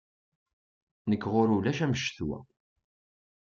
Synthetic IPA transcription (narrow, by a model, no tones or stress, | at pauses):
nəkːʁoɾulæʃæməʃθwæ̰